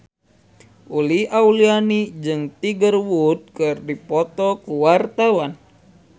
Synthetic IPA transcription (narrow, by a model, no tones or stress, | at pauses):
uliaulianid͡ʒɨŋt̪iɡərwud̪̚kɨrdipɔt̪ɔkuwart̪awan